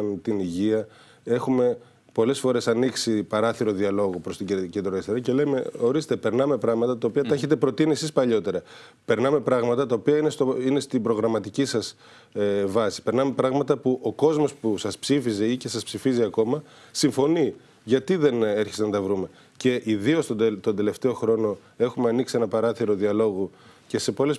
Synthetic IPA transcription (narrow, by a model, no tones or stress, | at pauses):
nt̪iniʝiɐ | e̞xume̞ | po̞le̞sfo̞ɾe̞sɐniksipɐɾɐθiɾo̞ðiɐlo̞ɣopɾo̞st̪ice̞nd̪ɾoest̪eɾɐcele̞jme̞o̞ɾist̪e̞pe̞ɾnɐme̞pɾɐɣmɐt̪ɐt̪ɐopiɐt̪ɐeçe̞t̪e̞pɾo̞t̪iniesispɐʎo̞t̪e̞ɾɐ | pe̞ɾnɐme̞pɾɐɣmɐt̪ɐt̪ɐopiɐinest̪oine̞st̪ibɾo̞ɣɾɐmɐt̪icisɐs | vɐsi̥pe̞ɾnɐme̞pɾɐɣmɐt̪ɐpuʔo̞ko̞zmo̞spusɐspsifize̞ice̞sɐspsifiziɐko̞mɐ | siɱfo̞ni | ʝɐt̪iðe̞neɾçest̪enɐt̪ɐvɾume̞ | ce̞ʔiðio̞st̪ot̪o̞nd̪e̞le̞ft̪e̞o̞xɾo̞no̞ | e̞xumeɐniksienɐpɐɾɐθiɾo̞ðiɐlo̞ɣu | ce̞se̞po̞le̞s